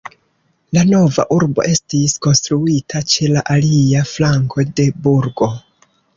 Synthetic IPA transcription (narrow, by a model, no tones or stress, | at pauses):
lano̞va̰ʔuɾbo̞̰ʔe̞stisko̞nstɾuitʰat͡ʃe̞laʔaliaflaŋkʰo̞de̞buɾɡo̞